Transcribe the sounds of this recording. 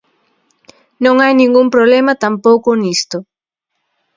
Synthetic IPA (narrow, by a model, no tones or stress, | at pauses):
nõŋajnĩŋɡumpɾoβlemat̪ampowkonist̪ʊ